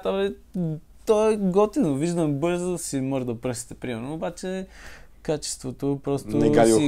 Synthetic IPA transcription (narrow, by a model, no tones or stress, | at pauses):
t̪əlɛ | t̪ɔɡɔt̪inoviʒd̪əmbɤɾzosimɔʒəd̪ɐpɾɤsi̥t̪ɛpɾimɛɾnoːbat͡ʃɛkat͡ʃɛ̥st̪vot̪opɾɔstnoɛɡaii